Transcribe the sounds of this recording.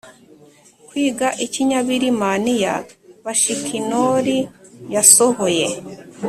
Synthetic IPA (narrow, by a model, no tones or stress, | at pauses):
kwiːɡaʔiciɲaβiɾimanija̰βaʃikʰinoɾijasohoje